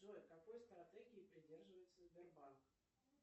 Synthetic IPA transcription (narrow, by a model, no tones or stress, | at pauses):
okɐko̞jst̪ɾɐt̪ɛɡʲɪɪpɾʲɪdʲe̞rʐɨvəjɪt̪səzʲbʲɪrbank